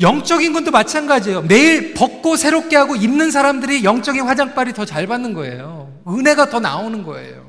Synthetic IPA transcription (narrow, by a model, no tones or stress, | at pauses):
jʌŋt͡ɕ͈ʌɡinɡundomat͡ɕʰanɡad͡ʑijone̞iɭpʌk̚k͈osʰe̞ɾop̚k͈e̞ɦaɡoinːɯns̬ʰaɾamdɯɾijʌŋt͡ɕ͈ʌɡinɸwad͡ʑaŋp͈aɾitʌt͡ɕaɭbanːɯnɡʌe̞̰jo | ɯne̞ɡatʌna̰onɯnɡʌ̰e̞̰jo